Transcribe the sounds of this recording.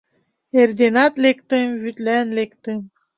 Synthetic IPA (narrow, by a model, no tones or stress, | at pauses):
erd̪enɑt̪lek̚t̪ɨmvyt̪lænlek̚t̪ɨm